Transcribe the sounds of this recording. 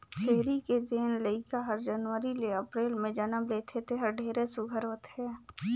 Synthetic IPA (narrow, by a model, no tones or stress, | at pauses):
t͡ʃʰeːɾiked͡ʒeːnləɪkaɦɐɾd͡ʒənʋəɾileɐpɾeːlmẽd͡ʒənəbleːt̪ʰet̪ʰeɦəɾɖʱeːɾesʊɡʱəɾɦoːt̪ɦɛː